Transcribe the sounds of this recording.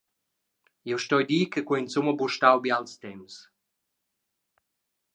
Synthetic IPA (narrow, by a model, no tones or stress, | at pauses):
iwʃtɔjd̪iːkəkwɔinsumabuʃt̪awbialst̪ɛms